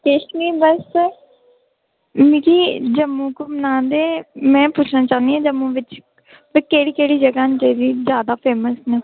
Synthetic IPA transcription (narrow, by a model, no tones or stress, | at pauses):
kɪʃniːbəs | mĩːkiːd͡ʒəmːũːkoːmənãːd̪eːmɛ̃ːpʊt͡ʃʰnãːt͡ʃaːnd̪iːãːd͡ʒəmːũʋɪt͡ʃ | ʋkeːɽiːkeːɽiːd͡ʒəɡaːnt͡ʃeːɾiːzjaːd̪aːpʰeːməsnẽː